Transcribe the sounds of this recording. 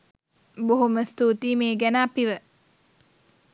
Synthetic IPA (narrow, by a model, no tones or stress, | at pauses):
boɦuməst̪uːt̪iːmeːɡænaːpiʋə